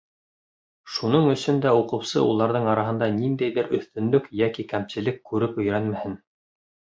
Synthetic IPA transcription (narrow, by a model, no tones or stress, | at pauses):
ʃunɤɴɵ̆sɵnd̪æuqɤ̆wsɤ̰ʔulˠɑɾðɤɴɑɾɑɦɤ̆nd̪ɑnind̪æjðɘɾʔɵ̆θt̪ɵ̆nlɵkjækikæmsɘ̆lɘkːʉɾɘpɵ̆jɾænmæhɘn